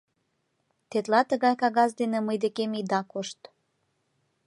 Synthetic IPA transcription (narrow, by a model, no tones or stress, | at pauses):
t̪et̪lɑt̪əɣɑjkɑɣɑs̬d̪enĕməjd̪ekemid̪ɑkoʃt̪